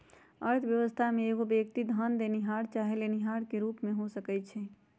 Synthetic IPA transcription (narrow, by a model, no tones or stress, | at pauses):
əɾt̪ʰbjəʋəst̪ʰameeɡobjek̚t̪id̪ʱənd̪eniɦaɾt͡ʃaɦeleniɦaɽkeɾupmeɦosəkɛt͡ʃʰɛ